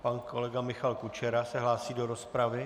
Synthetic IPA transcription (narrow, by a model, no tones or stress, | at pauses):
panko̞lɛɡamɪxalkut͡ʃɛɾasɛɦlaːsiːdo̞ɾo̞spɾavɪ